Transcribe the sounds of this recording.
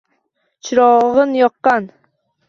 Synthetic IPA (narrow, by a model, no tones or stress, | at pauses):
t͡ʃʰɪɾɒʁənjɒqːɑn